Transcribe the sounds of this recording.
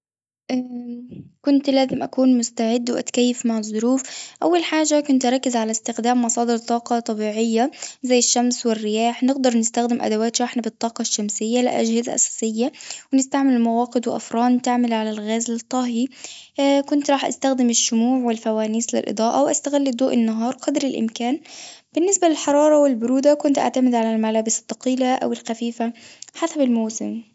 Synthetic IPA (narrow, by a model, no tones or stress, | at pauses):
ʔa | kʊnt̪laːzɪmʔakuːnmʊst̪aʕɪd̪ːwʔa̰t̪kajːɪfmaʕɑzˤːʊɾuːfʔawːalħaːʒːakʊnt̪ʔɾˤɑkːɪzʕalast̪ɪxd̪aːmːɑsˤɑːd̪ɪɾt̪ˤɑːqɑt̪ˤɑbiːʕɪjːazajːɪʃːamswɪrːɪjaːħnɪɡd̪ɑɾˤnɪst̪axd̪ɪmʔa̰d̪awaːt̪ɾˤɑːħnabɨt̪ˤːɑːqɑʃːamsɪjːalɪʔa̰d͡ʒhɪza̰ʔa̰sḁːsɪjːawɪnɪst̪aʕmɪlmawɑːqɪd̪wɪʔa̰fɾˤɑːnt̪aʕmɪlʕalalɣaːzlt̪ˤːɑɦi | kʊnt̪ɾˤɑːħʔa̰st̪axd̪ɪmɪʃːʊmuːʕwɪlfawaːniːslɪ̰lʔɨ̰d̪ˤɑːʔawʔast̪aɣɪlːid̪ˤoːʔɪnːɑɦɑːɾˤqɑd̪ɾɪlʔɪ̰mkaːnb̥ɪnːɪsbalɪlħɑɾˤɑːɾˤɑwɪlbʊɾuːd̪akʊnt̪ʔa̰ʕt̪amɪd̪ʕalalmalaːbɪsɪ̥t̪ˤːɑqiːlaʔa̰wɪlxafiːfaħasabɪlmowːsɪm